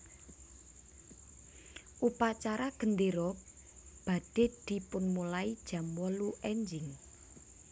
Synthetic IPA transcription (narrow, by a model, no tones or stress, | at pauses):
ʔupat͡ʃaɾaɡ̥ənd̪eɾɔ | b̥a̤d̥e̤d̪̥i̤pʊnmulaid̥ʒ̥ä̤mwɔluʔɛɲd͡ʒɪŋ